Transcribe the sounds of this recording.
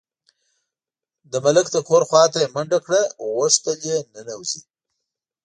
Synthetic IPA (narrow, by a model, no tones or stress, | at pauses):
d̪əmaləkd̪əkʰoɾxwɑːt̪ajemaɳɖakɽawost̪əljenənawzḭ